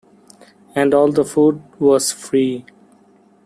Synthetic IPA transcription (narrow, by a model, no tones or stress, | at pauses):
ɛ̃ɳɖɔːld̪əfuːɖʋɔːz̥fɾiː